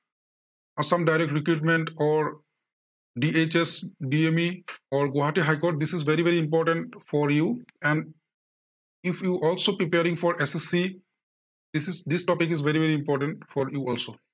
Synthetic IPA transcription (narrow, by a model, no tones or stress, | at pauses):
sʌ̃mɖaɪɾek̚ʈɾɪkɾuːʈmẽɳʈɔːɾ | ɖiet͡ʃesɖiemiɔːɾɡoɦaʈiɦaɪkoːʈ̚d̪ɪsizʋeɾiʋeɾiɪ̃mp̬ɔːɾʈə̃ɳʈfɔɾjuːɛ̃ɳɖ | ɪfʰjuːʔɔːlsopɾipeɾɪ̃ŋfɔːɾesesːi | d̪̥ɪsɪzd̪ɪsʈɔːpikizʋeɾiʋeɾiĩmpɔːɾʈə̃ɳʈfɔɾjuɔːlsoː